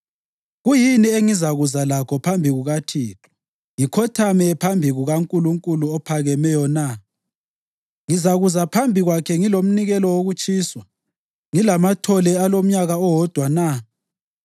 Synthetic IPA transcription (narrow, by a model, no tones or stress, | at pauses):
ɣujinieŋizaɣuzalakʰɔpʰambʱiɣuɣatʰiːtʰɔ̥ | ŋikʰɔtʰamɛpʰambʱiɣuɣaŋkʼuluŋkʼuluɔpʰaɣɛmɛjɔna | ŋizaɣuzapʰambʱiɣwakʰɛŋilom̩niɣɛlɔwoɣut͡ʃʼiːswa | ŋilamatʰɔlɛalom̩ɲaɣaɔwɔd̥ʱwana